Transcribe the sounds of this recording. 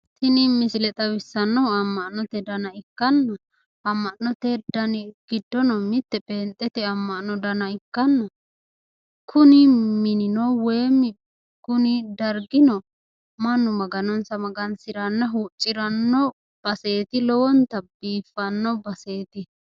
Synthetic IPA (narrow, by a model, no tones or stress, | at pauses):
t̪ɪnɪmɪsɪlɛt̪ʼɐwɪsːɐnːɔwɐmːɐʔnɔt̪ɛd̪ɐnɐɪkːɐnːɐ | ɐmːɐʔnɔt̪ɛd̪ɐnɡ̥ɪd̪ːɔnɔmɪt̪ːɛbʼeːnt̪ʼːɛt̪ɛɐmːɐʔnɔd̪ɐnɐɪkːɐnːɐ | kʰʊnɪmɪnɪnɔweːmːɪ | kʊnɪd̪ɐɾɡɪnɔ | mɐnːʊmɐɡɐnɔnsɐmɐɡɐnsɪɾɐnːɐɦuːt͡ʃʼːɪɾɐnːɔ | b̥ɐse̞ːt̪ɪlɔwɔnt̪ɐbiːfːɐnːɔbɐse̞ːt̪ɪ